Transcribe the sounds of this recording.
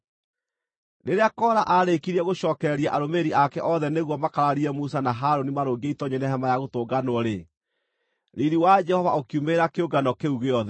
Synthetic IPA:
neɾeakɔɾaʔaɾekiɾiɛɣoɕɔːkɛɛɾiaʔaɾomeɾiakɛʔɔðɛneɣwɔmakaɾaɾiɾɛmusanaɦaɾonimaɾoːɡeitɔɲɛnɛɦɛmajaɣotoːɡanwɔɾe | ɾiɾiwad͡ʒɛhɔvaokiumeɾakeoɡanɔkeuɣeɔðɛ

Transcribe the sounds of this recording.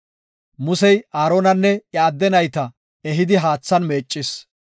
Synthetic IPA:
mʊsɛjaːɾoːnɐnːɛɐːd̪ːɛnɐjt̪ɐ | ɛɦɪd̪ɪɦaːt͡sːɐnme̞ːt͡ʃʼːɪs

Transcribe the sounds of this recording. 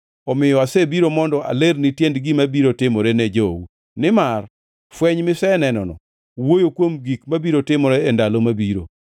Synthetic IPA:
ɔmɪjɔasebiɾomɔndɔa̰leɾnitjendɡimabiɾotɪmɔɾɛnɛd͡ʒowu | nɪmar | fwɛɲmɪsɛnɛnɔnɔ̰ | wojokwomɡikmabiɾotɪmɔɾɛːndalomabiɾo̰

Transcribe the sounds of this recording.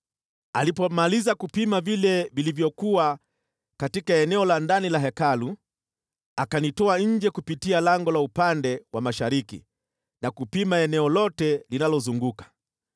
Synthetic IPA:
alipɔmalizakupimavilɛvilivjɔkua | katikaɛnɛɔlandanilaɦɛkalu | akanitɔaɲ̩d͡ʒɛkupitialaŋɡɔlaupandɛwamaʃaɾikḭ | nakupimaɛnɛɔlɔtɛlinalɔzuŋɡukḁ

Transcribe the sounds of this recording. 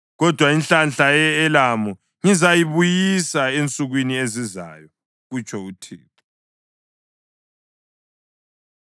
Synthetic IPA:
ɣɔd̥ʱwainɬanɬaɛlamu | ŋizajiβujisaent͡sʼuɣwinieziza̰jɔ | ɣut͡ʃʰʼɔutʰḭːtʰʼu̥

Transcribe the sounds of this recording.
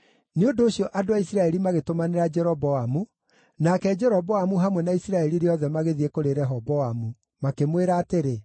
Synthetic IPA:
neondoːɕjɔʔadoaisiɾaɛɾimaɣetomaneɾad͡ʒɛɾɔβɔamu | nakɛd͡ʒɛɾɔβɔamuɦamwɛnaisiɾaɛɾiɾeɔðɛmaɣeðiekoɾeɾɛɦɔβɔamu | makemweɾaːteɾe

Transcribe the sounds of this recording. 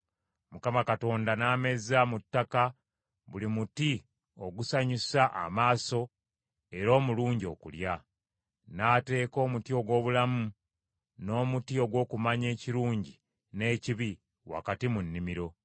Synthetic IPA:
mukamakato̞ːndanaːme̞zamutːaka | βulimuti | o̞ɡusaɲisaʔa̰maːso̞ | e̞ɾo̞ːmuluːɲɟo̞ːkṵlja | nate̞ːko̞ːmutio̞ɡwo̞ːβulamu | no̞ːmutio̞ɡwo̞ːkumaɲe̞ːciɾuːɲɟi | ne̞ːciβi | wa̰katimunːimiɾo̞

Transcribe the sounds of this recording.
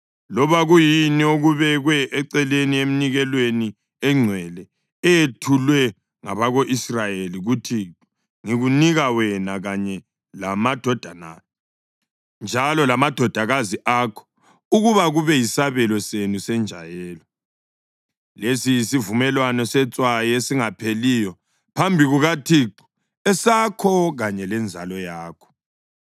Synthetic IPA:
lɔβaɣujinioɣuβɛɣwɛʔɛǀɛlenieminiɣɛlweni | ɛŋ͡ǀʱwɛlɛ | ɛjetʰulwɛ | ŋaβaɣoʔisrajeliɣutʰi | ŋiɣuniɣawɛnaɣaɲɛ | lamad̥ʱɔd̥ʱana̰ | nd͡ʒʱalɔlamad̥ʱɔd̥ʱaɣaziʔakʰɔ̥ | uɣuβaɣuβɛjisaβɛlɔsenusɛnd͡ʒʱa̰jɛːlɔ | lesijisivumɛlwanɔsɛt͡sʼwajesiŋapʰelijɔ | pʰambʱiɣuɣatʰiǃu̥ | ɛsakʰɔɣaɲɛlɛnd͡zʱalɔjaːkʰɔ̥

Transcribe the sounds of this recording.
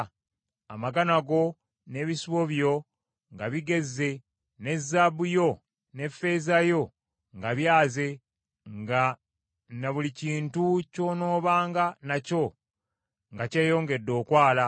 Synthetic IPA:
a̰maɡanaɡo̞ | ne̞βisiβo̞βjo̞ | ŋɡaβiɡe̞zːe̞ | ne̞zːabujo̞ | ne̞fe̞zajo̞ | ŋɡaβjaːze̞ | ŋɡa | naβuliciːntuco̞ːno̞ːβaːŋɡanaco̞ | ŋɡace̞ːjo̞ːŋɡe̞dːo̞ːkwaːla

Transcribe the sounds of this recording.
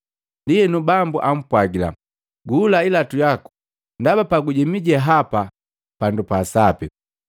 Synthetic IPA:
ndiɛnubambuʔam̩pwaɡila̰ | ɡuːlailatujaku̥ | ndabapaɡuɟɛmiɟɛɦapa | pandupasapi

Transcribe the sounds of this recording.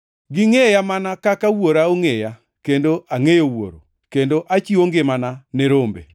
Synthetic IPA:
ɡɪŋejamanakakawoɾaoŋeja | kendoʔaŋejowo̰ɾo̰ | kendoʔat͡ʃioŋɡemananɛɾombḛ

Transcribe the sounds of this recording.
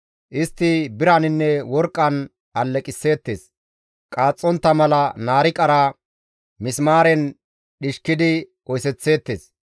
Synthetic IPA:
ʔɪst̪ːɪbɪɾɐnɪnːɛwɔɾkʼːɐn | ɐlːɛkʼɪsːe̞ːt̪ːḛːs | kʼaːt͡sʼːɔnt̪ːɐmɐlɐnaːɾɪkʼɐɾaː | mɪsmaːɾɛn | ɗɪʃkːɪd̪ɪ | ɔjsɛt͡sːe̞ːt̪ːeːs

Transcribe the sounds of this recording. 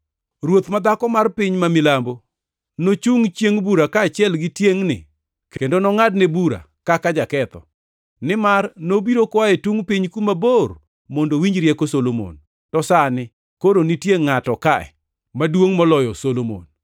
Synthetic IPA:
rwot̪mad̪akɔmarpɪɲmamɪlambo | not͡ʃuŋt͡ʃjeŋbuɾakaːt͡ʃjɛlɡɪtjeŋnɪ̰ | kendonɔŋadnebuɾa̰ | kakad͡ʒakɛt̪ɔ̰ | nɪmarnobiɾokwaɛtuŋpiɲkumabor | mondowiɲd͡ʒɾjɛkosolomo̰n | tɔsanɪ | koɾonitjeŋːatɔkaɛ̰ | madwoŋmɔlɔjɔsolomo̰n

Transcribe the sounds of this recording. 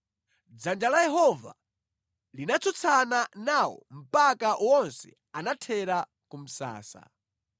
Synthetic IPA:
d͡zand͡ʒalajɛɦɔva̰ | linat͡sʰut͡sʰananawɔ̰m̩pakaʔwɔnsɛ̰ | anatʰɛɾa | kum̩sa̰ːsa̰

